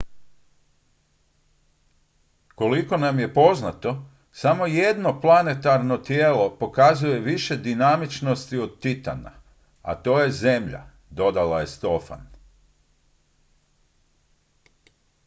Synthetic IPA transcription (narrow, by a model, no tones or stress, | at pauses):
ko̞liko̞namje̞po̞znat̪o̞ | samo̞je̞d̪no̞plˠane̞t̪aɾno̞t̪jeːlo̞po̞kazuje̞ʋiʃe̞d̪inamit͡ʃno̞st̪iod̪̚t̪it̪a̰na̰ | a̰t̪o̞ːje̞ze̞mʎa̰ | d̪o̞d̪alaje̞st̪o̞fa̰n